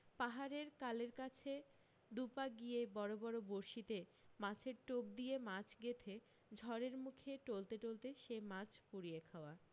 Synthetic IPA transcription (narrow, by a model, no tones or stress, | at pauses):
paɦaɾeɾkaleɾkat͡ɕʰe | d̪upaɡijebɔɾobɔɾoboɾʃit̪emat͡ɕʰeɾʈob̚d̪ijemãt͡ɕʰɡet̪ʰe | d͡ʑʱɔɾeɾmukʰeʈolt̪eʈolt̪eʃemãt͡ɕʰpuɾiekʰaoa